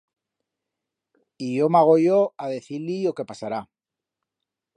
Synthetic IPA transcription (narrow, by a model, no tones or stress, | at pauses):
iʝo̞maɣ̞o̞ʝoaðe̞θilio̞ke̞pasaɾa